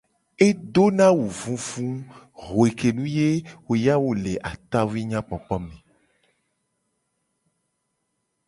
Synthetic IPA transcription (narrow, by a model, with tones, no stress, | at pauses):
e˦do˦nã˦wu˨vũ˦vũ˦ | ɦo˨e˨ke˨nũ˦je˦wo˨ja˦wo˦le˨ʔa˨t̪a˦vu˦i˦ɲã˦k͡pɔ˨k͡pɔ˦mẽ˨